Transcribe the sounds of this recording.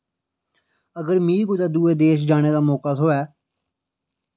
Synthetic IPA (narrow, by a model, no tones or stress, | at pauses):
əɡəɾmiːkoːt̪aːd̪uːeːd̪eːʃ̬d͡ʒaːñeːd̪aːmɔːkaːt̪ʰoːɛː